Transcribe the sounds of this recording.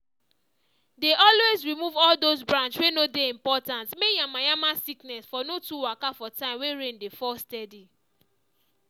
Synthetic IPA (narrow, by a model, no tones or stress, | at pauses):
deʔɔlwezɹimuvɔldozbɹãnt͡ʃswenodeĩmpɔtãntmejamajamasiknɛsfɔnotuwakafɔtãɪ̃mweɹẽndefɔstɛdi